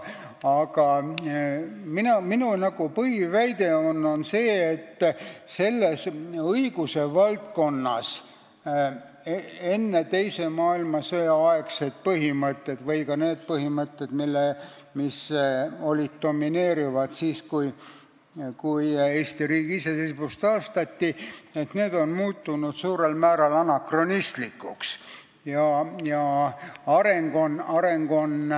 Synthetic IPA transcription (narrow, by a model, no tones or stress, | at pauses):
ɑɡɑ | minominunɑɡ̥upɤhivæjd̪̥e̞o̞nːo̞nse̞ːet̪ːse̞lːe̞sɤiɡ̥use̞vɑlt̪̚ko̞nːɑs | ee̞nːet̪e̞jse̞mɑːilmɑsɤjɑɑeksed̪̥̚pɤɦimɤt̪ˑːe̞d̪̥vɤjkɑne̞ːd̪̚pɤɦimɤt̪ːe̞d̪̥milːe | miso̞lʲid̪̚d̪̥o̞mːine̞ːɾivɑd̪̥siːskuj | kuje̞ːst̪iɾiːɡ̥iise̞sebust̪ɑːst̪ɑt̪ːie̞t̪ne̞ːd̪̥o̞nmuːt̪ːunud̪̥suːɾe̞lmæːɾɑlɑnɑkro̞nist̪likːˑuks | jɑjɑɑɾe̞ŋɡ̥o̞nɑɾe̞ŋɡ̥o̞n